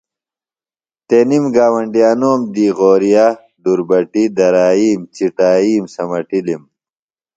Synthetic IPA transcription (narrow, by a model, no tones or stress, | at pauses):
t̪enimɡaːwɐɳɖijaːnoːmd̪iːʁoːɾija | d̪uɾbɐʈid̪ɐɾaːiːmt͡ɕiʈaːiːmsɐmɐʈilim